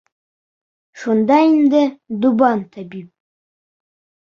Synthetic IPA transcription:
ʃund̪ɑind̪ɪd̪ʊbɑnt̪ʰabip̚

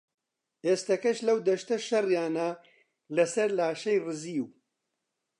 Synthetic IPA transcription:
eːst̪ɐkɐʃlɐwd̪ɐʃt̪ɐʃɐrjaːnɐ | lɐsɐɾlaːʃɐjrɨziːw

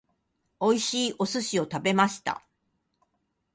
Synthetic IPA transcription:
o̞iɕiːʔo̞sɨɕio̞t̪abe̞maɕi̥t̪a̰

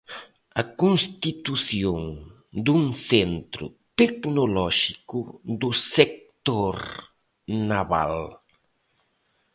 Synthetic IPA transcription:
ɐkunst̪it̪uθjoŋ | d̪uŋθent̪ɾʊ̰t̪eknolɔʃikʊd̪ʊsek̚t̪oɾ | naβa̰l

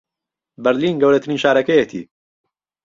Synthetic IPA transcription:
bɛɾliːnɡɐwɾɐt̪ʰɨɾiːnʃaːɾɐkɐjɛt̪ʰḭ

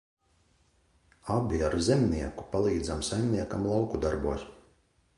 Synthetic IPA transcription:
abʲiaɾzʲɛmniɛku̥palˠiːd̪zamsajmʲniɛkamlˠawkud̪aɾbuɔs

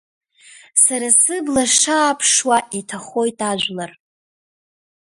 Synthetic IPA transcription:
saɾasɨblaʂaːpʰʂwaʔitʰaχo̞jtʼaʒʷlar

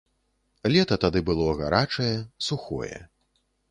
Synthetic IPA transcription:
lʲɛt̪ɐt̪ad̪ɨbɨlˠɔɣa̰ɾat͡ʂɐjɛsuxɔ̰jɛ̰

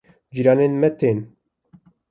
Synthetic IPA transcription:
d͡ʒiɾɑːneːnmɛt̪ʰeːn

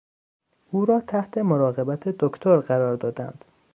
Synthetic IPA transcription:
ʔuːɾɒːt̪ʰæht̪ʰe̞moɾɒːɣe̞bæt̪ʰed̪okʰt̪ʰoɾɢæɾɒːɾd̪ɒːd̪æ̰nd̪̥

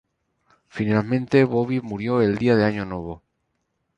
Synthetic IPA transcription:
finalmẽnt̪e̞βoβimuɾjo̞e̞ld̪iaðeaɲonwe̞β̞o

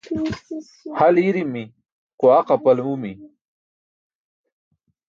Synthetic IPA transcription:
haliɾimːi | qoaqapɐlumi

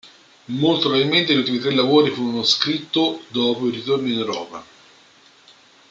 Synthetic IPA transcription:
molt̪oɾailment̪eʎult̪imit̪ɾelːavoːɾifuːɾonoskɾit̪ːod̪ɔːpoiɾit̪ornineɾɔːpa̰

